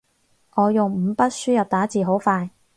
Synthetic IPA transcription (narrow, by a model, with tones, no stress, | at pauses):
ŋɔː˨˧jʊ˨ŋm̩˨˧pɐ˥t̚syː˥jɐ˨p̚t̪aː˨˥t͡siː˨˩ɦo˨˥wfaː˧j